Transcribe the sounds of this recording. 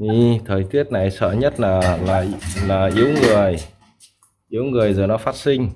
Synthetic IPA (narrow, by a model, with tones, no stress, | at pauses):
ʔi˧˩t̪ʰəː˨˩jt̪i˦˥ət̚na˨˩jsə̰ː˧˨ɲə˦˥t̚laː˨˩laː˨˩laː˨˩ʔi˨˦əwŋɨ˨˩əj | ʔi˨˦əwŋɨ˨˩əjzəː˨˩nɔ˨˦faː˦˥t̚sï˧ŋ̟